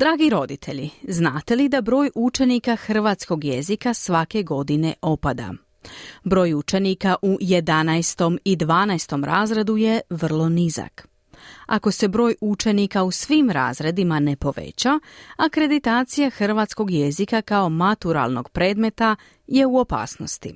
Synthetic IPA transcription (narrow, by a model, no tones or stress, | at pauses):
d̪ɾaːɡiɾo̞d̪it̪ʰe̞ʎiznaːt̪e̞lid̪abɾo̞ːjut͡ʃe̞nikaxr̩ʋaːt̪sko̞ɡjezikasʋake̞ɡo̞d̪ine̞ʔo̞pad̪a̰ | bɾo̞ːjut͡ʃe̞nikaʔuje̞d̪anajst̪o̞mid̪ʋaːnajst̪o̞mɾʔaːzɾe̞d̪uje̞ʋr̩lˠo̞niza̰k | a̰ko̞se̞bɾo̞ːjut͡ʃe̞nikausʋimɾa̰ːzɾe̞d̪imane̞po̞ʋḛt͡ɕaakɾe̞d̪it̪aːt̪sijaxr̩ʋaːt̪sko̞ɡje̞zikakao̞mat̪uɾa̰lˠno̞ɡ̥pɾe̞ːd̪me̞t̪a | je̞uo̞pa̰ːsno̞st̪ḭ